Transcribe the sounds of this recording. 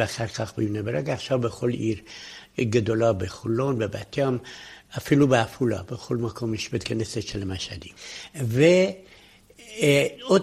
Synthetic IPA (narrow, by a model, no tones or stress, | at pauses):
eaχaɾkaχbinebeɾeɡaːχʃavbeχo̞liɾɡad̪olabeχulːo̞nbeba̰t̪jamafilubeafula̰bexo̞lmakʰo̞mjeʃbet̪kʰaneset̪ʃelmaʃad̪ive | o